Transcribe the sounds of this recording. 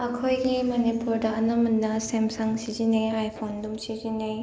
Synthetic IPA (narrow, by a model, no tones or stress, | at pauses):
ɐkʰojɡimonipuɾdɐɐnɐmunːɐsemsaŋsizineajpʰondumsizinej